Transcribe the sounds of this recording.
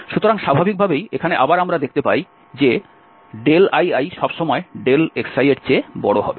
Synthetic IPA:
ʃut̪oɾaŋʃabʱabʱik̚bʱabejekʰaneʔabaɾamɾad̪ek̚ʰt̪epaj | d͡ʑe | ɖelajajʃɔbʃɔmɔeɖeleksajeʈt͡ɕebɔ̰ɽoɦɔ̰be

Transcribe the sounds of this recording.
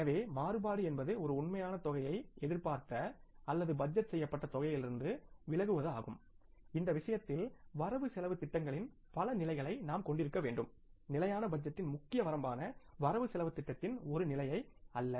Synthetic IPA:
ɛnɐʋeːmaːɾɯbaːɽɯɛnbɐðɯɔɾɯʊɳmɐjaːnɐt̪ɔɣɐjɐɪɛðɪɾpaːɾt̪ɐɐlːɐðɯbɐd͡ʒːɐt̪sɛjːɐpːɐʈːɐt̪ɔɣɐjɪlɪɾɯnd̪ɯʋɪɭɐɣɯʋɐðɯaːɣɯ̰mɪnd̪ɐʋɪʂɐjɐt̪ːɪlʋɐɾɐʋɯsɛlɐʋɯt̪ːɪʈːɐŋɡɐɭɪn | pɐlɐnɪlɐɪɣɐɭɐɪnaːmkɔɳɖɪɾɯkːɐʋeːɳɖɯmnɪlɐjaːnɐbɐd͡ʒːɐt̪ːɪnmʊkːɪjɐʋɐɾɐmbaːnɐʋɐɾɐʋɯsɛlɐʋɯt̪ːɪʈːɐt̪ːɪnɔɾɯnɪlɐjɐɪɐlːɐ

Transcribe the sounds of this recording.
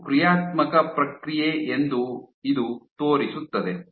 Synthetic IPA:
kɾijaːt̪mɐkɐpɾɐkɾijeʔend̪uid̪ut̪oːɾisut̪ːɐd̪e

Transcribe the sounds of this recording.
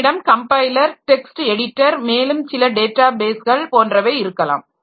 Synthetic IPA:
ɽɐmkɐmpɐɪlɐɾʈɛksʈɛɽɪʈːɐɾmeːlɯmsɪlɐɖeːʈːaːbeːsɣɐɭpoːndrɐʋeːɪɾɯkːɐla̰ːm

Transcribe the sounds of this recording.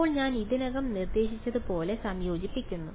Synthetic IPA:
oːɭɲaːniðinɐɣɐmnird̪e̞ːɕit͡ɕːɐðupo̞ːle̞sɐmjo̞ːd͡ʑipːikʲːunːu

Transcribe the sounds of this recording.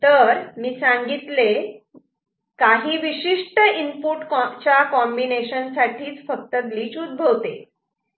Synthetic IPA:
t̪əɾmiːsaŋɡit̪le | kaɦiːʋiɕiʂʈəimpuʈkɔt͡ɕjakɔmbineɕənsaʈʰiːt͡sfək̚t̪əɡliːt͡ɕud̪̚bʱəʋt̪e

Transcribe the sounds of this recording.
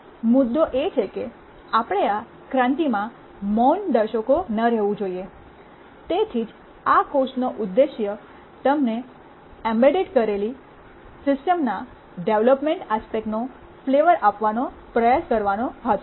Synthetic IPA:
mʊd̪ːoʔet͡ʃʰeke | apəɽ̃ea | kɾãnt̪imã | mond̪əɾʃəkonəɾɛɦʋũd͡ʒoie | t̪et̪ʰid͡ʒ | akoʃnoʔʊd̪ːeʃjə | t̪əmne | ɛmbeɖeʈkəɾeli | sɪsʈəmna | ɖeʋləpmẽɳʈaspek̚ʈno | fleʋəɾʔapʋanopɾəjaskəɾʋanõɦət̪ʰ

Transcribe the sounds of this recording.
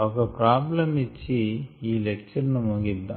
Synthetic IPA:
ɔkɐpɾaːblɐmit͡ʃːiiːlek̚t͡ʃɐɾnumuɡid̪ːa

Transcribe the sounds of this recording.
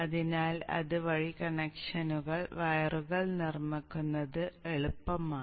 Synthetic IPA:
ɐðinaːlɐ̰ðɨʋɐɻikɐɳekʂɐnuɣɐɭʋɐjɐruɣɐɭnirmikːunːɐðɨeɭupːɐmaː

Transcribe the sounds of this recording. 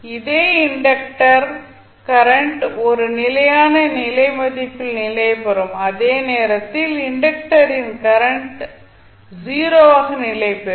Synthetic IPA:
ɪðeːɪɳɖɐkʈɐɾ | kɐɾɐɳʈɔɾɯnɪlɐjaːnɐnɪlɐɪmɐðɪpːɪlnɪlɐɪpɛɾɯmɐðeːneːɾɐt̪ːɪlɪɳɖɐk̚ʈɐɾɪnkɐɾɐɳʈ | ziːɾoːʋaːɣɐnɪlɐɪpɛ

